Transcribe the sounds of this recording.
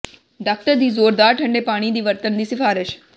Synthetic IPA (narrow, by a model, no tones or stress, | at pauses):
ɖaːk̚ʈəɾd̪iːzoːɾd̪aːɾʈʰə̃ɳɖeːpaːɽ̃iːd̪iːʋəɾt̪ənd̪iːsɪfʰaːɾɪʃ